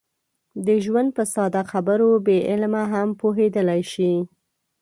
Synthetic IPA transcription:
d̪əʒwand̪̚pəsɑd̪axabəɾobeʔɪlmaɦampoɦed̪əlajʃi

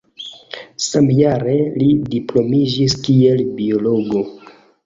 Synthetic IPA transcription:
samjaɾe̞lidiplo̞mid͡ʒiskie̞lbio̞lo̞ɡo̞

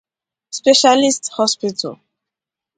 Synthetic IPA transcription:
spɛʃalist̪hɔspit̪ʰṵl

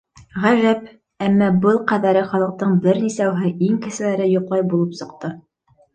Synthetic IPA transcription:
ʁæʒæp | æmːɑbɤlˠqæðæɾɘχɑlˠɤ̆q̚t̪ɤɴbɘɾnisæwɦɘʔiŋkɘ̆ʃɘ̆læɾɘjŏqlˠɑjbulˠɤpsɤ̆qt̪ɤ

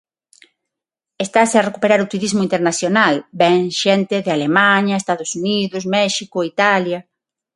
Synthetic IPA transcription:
est̪asearekupeɾaɾʊt̪uɾizmʊint̪eɾnaθjonalbɛŋʃɛnt̪ɪðɪalemaɲɐest̪aðʊsuniðʊsmɛʃikʊit̪aljɐ

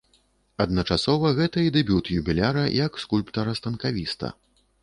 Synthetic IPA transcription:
ɐd̪nɐt͡ʂasɔvɐɣɛt̪ɐid̪ɛbʲut̪jubʲilʲaɾɐj̰ɐkskulʲpt̪ɐɾɐst̪ɐnkavʲist̪ɐ̰

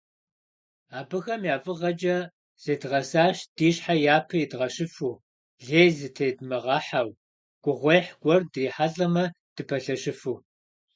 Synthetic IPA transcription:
aːbɨxɐmjaːfʼɨʁɐd͡ʒʼɐ | z̥edʁɐsaːɕd̥iːɕħajaːpʰɐjidʁɐɕɪfuː | ɮeːzɨtʰeːdmɐʁɑħaw | ɡ̥ʷʼʊʁʷejħɡʷɔrdriːħaɬʼɐmɐ | d̥ɨpʰɐɬɐɕɨfuː

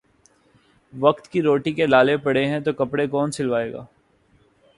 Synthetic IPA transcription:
ʋɐkt̪kiɾoːʈikelaːlepɐɽeɦɛ̃t̪okɐpɽekɔːnsɪlʋaːeːɡa̰ː

